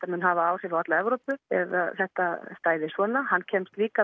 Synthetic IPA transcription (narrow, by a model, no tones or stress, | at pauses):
t̪amɪnhavaaːwr̥ɪɾɔt̪laɛvɾowpʏ̥ɛ̰ða̰θɛht̪ast̪aːjðɪsvɔːnahanːcʰɛmst̪liːka